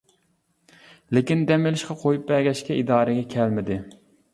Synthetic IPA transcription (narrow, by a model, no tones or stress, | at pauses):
lɪkʲind̪ɛmɪlɪʃqʰɑqʰojup̚bɛɡʲɛʃkʲɛʔid̪ɑːɾɨɡʲɛkʲʰɛlmɪd̪ɪ